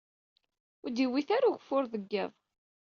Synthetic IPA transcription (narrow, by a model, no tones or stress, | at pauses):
ʊd̪iwiθaɾuʝfʊɾðəɡːə̰ðˤ